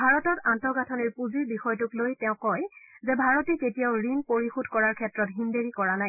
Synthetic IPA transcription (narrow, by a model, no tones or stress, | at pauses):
bʱaɹɔtɔtantɔɡatʰɔniɹpuziɹbixɔjtʊklojtɛʊ̃kɔjzɛbʱaɹɔteketijaʊɹinpoɹixudʱkɔɹaɹkʰɛtɹɔtɦindeɹikɔɹanaj